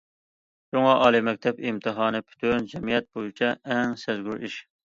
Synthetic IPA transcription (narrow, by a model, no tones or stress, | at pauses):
ʃuŋɑʔɑːlˠɨmɛk̚ʲt̪ʰɛpimt̪ʰɨɦɑːnɨpʰy̥t̪ʰynd͡ʒɛmijɛt̪̚bojit͡ʃʰɛʔɛŋsæzɡʲyɾiʃ